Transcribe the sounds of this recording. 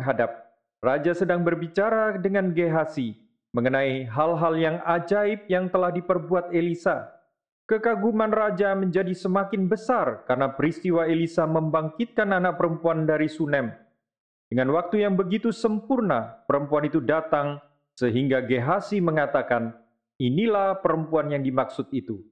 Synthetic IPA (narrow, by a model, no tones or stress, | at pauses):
ɦadap̚ | rad͡ʒasədaŋbərbit͡ʃaɾadəŋanɡeɦasi | məŋənaiɦalɦaljaŋad͡ʒaɪp̚jaŋt̪əlahdipərbuat̪̚elisa | kəkaɡumanrad͡ʒaməɲd͡ʒadisəmakɪnbəsarkarnapəɾist̪iwaelisaməmbaŋkɪt̪̚kananak̚pəɾəmpuandaɾisunɛm | dəŋanwak̚t̪ujaŋbəɡit̪usəmpʊrnapəɾəmpuanit̪udat̪aŋ | səɦiŋɡaɡeɦasiməŋat̪akan | inilahpəɾəmpuanjaŋdimaksʊt̪̚it̪u